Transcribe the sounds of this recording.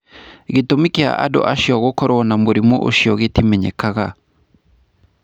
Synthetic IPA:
ɣetomikea̰ʔa̰dɔ̰ʔaʃjɔɣokɔɾwɔnamoɾimoʔo̰ʃiɔɣetimɛɲɛ̰kaɣa

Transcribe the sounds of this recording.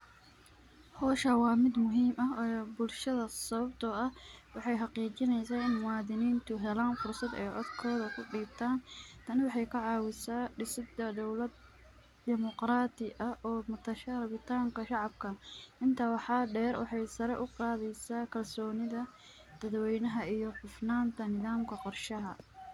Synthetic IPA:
hɔːʃɐwɑːmɪd̪mʊɦiːmʔɐbʊlʃɐðɐsɐβɐbt̪ʰɔɐhwɑħɑjɦɑqiːt͡ʃɪnɛjsaːɪnmʊwɑːðɪniːnt̪ʰʊɦɛlaːnfʊrsɐd̪ɛ̰jʕɔ̰d̪kʰɔːðɐkʰʊɖiːb̚t̪ʰaːnt̪ʰɐnwɑħɑjkʰɐʕɑːwɪsaːɖɪsɪd̪ɐd̪ɔwlɐd̪̚ | d̪ɪmɔqɾaːd̪ɪʔɐʔɔːmʊt̪ʰɐʃɐrɐβɪt̪ʰaːŋkʰɐʃɑʕɑbkʰɐʔɪnt̪ʰɐwɑħɑːɖɛːɾwɑħɑjsɐɾɛʔʊqɑːðɛjsaːkʰɐlsɔːnɪðɐ | d̪̥ɐðwɛjnɐɦɐijɔfʊfnaːnt̪ʰɐnɪðaːmkʰɐqɔrʃɐɦɐ

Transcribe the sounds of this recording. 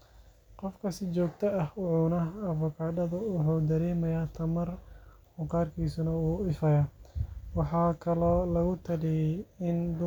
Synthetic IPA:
qɔfkʰɐsɪt͡ʃɔːɡt̪ʰɐɐhʊʕuːnɐɐfʊkʰaːɖɐðʊwʊħuːd̪ɐɾɛːmɐjaːt̪ʰɐmɐr | hʊkʰaːrkʰiːsʊnɐuːɪfɐjɐwɑħɑːkʰɐlɔːlɐɣʊt̪ʰɐlɪjɛjɪnd̪ʊ

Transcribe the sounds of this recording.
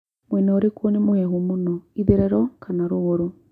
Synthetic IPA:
mwɛnɔɾekonemoɛɦomonɔiðeɾɛɾɔkʰanaɾoɣoɾo

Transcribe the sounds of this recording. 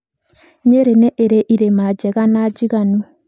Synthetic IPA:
ɲeɾeneʔeɾeʔiɾemad͡ʒɛɣanad͡ʒiɣanu

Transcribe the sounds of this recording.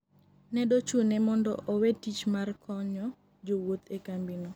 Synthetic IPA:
nɛdot͡ʃunɛmɔndɔ̰ʔowetːit͡ʃmarkʰɔɲɔ | d͡ʒowot̪ekambinɔ

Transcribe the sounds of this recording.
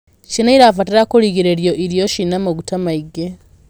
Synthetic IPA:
t͡ʃinaiɾafatiɾakuliɣiɾeɾjo̞ʔiɾjoʃinamoɡutamaiɡe

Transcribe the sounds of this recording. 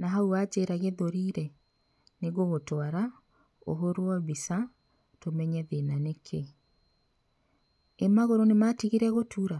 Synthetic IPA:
naɦauad͡ʑeɾaɣeðoɾiɾɛ | neɣoɣotwaɾa | o̰ɦoɾwɔβisa | tomɛɲɛðenanekʰe | emaɣoɾonematiɣiɾɛɣotʰuɾa

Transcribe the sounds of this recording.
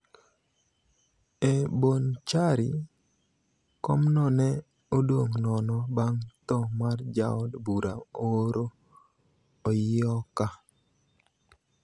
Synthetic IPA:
ebont͡ʃaɾḭ | kɔmnɔnɛ | odoŋnɔnɔbaŋt̪ɔmard͡ʒa̰ɔdbuɾa̰owoɾo | ɔjɪɔka

